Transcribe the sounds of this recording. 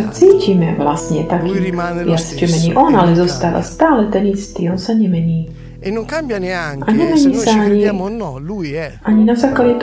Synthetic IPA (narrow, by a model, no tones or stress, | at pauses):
at͡siːcimɛʋlasɲɛt̪akʰiːjat͡st͡ʃɛmɛɲiːʔɔnalɛzɔst̪aːʋa̰st̪aːlɛt̪ɛnist̪iːɔnsaɲɛmɛɲiː | ʔaɲɛmɛɲiːsaaɲi | aɲinazaːklaɟɛt̪